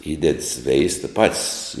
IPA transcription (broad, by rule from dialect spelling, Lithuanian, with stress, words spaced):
ˈiːdʲɛt ˈsʲʋʲɛɪstɐ ˈpɐtʲsʲ